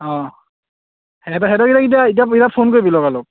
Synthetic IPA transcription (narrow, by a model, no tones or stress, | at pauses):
ɔ̃ | hɛtɔɦɛdɔkitakitiait̬aitapʰonkoɹibilɔkalɔk̚